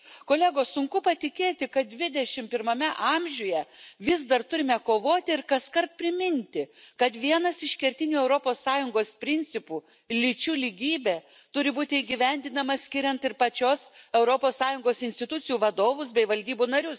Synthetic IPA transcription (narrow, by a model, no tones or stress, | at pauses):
koːlʲæɡoːssʊŋkʊpɐt̪ʲɪkʲeːt̪ʲɪkɐt̪̚d̪ʲʋʲɪd̪ʲɛʃʲɪmpʲɪɾmɐmʲɛʔɑmʲʒʲuːjɛʋʲɪzd̪ɐrt̪ʊɾʲɪmʲɛkoːʋoːt̪ʲɪɪɾkɐskɐrt̪̚pʲɾʲɪmʲɪnʲt̪ʲɪkɐt̪ʋʲiɛnɐsɪʃkʲɛɾʲt̪ʲɪnʲuːɛʊɾopoːsːɑːjʊŋɡoːspʲɾʲɪnʲt͡ssʲɪpuː | lʲɪt͡ʃʲuːlʲɪɡʲiːbʲeː | t̪ʊɾʲɪbuːt̪ʲɪɪɡʲiʋʲɛnʲd̪ʲɪnɐmɐsʲkʲɪɾʲɛnt̪ɪɾpɐt͡ʃʲoːsɛʊɾopoːssɑːjʊŋɡoːsɪnʲst̪ʲɪt̪ʊt̪sʲɪjuːʋɐd̪oːʋʊsbʲɛɪʋɐlʲd̪ʲiːbuːnɐɾʲʊs